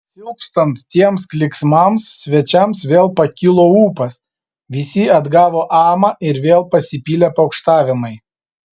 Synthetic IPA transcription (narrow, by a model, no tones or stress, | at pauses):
sʲɪʊkst̪ɐnt̪t̪ʲiɛmsklʲɪksmɐmsːʲʋʲɛt͡ʃʲɛmsʋʲeːlˠpɐkʲɪlˠoːuːpɐs | ʋʲɪsʲiɐd̪ɡɑːʋoːʔɑːmɑʔɪɾʋʲeːlˠpɐsʲɪpʲiːlʲepɐʊkʃt̪ɑːʋʲɪmɐɪ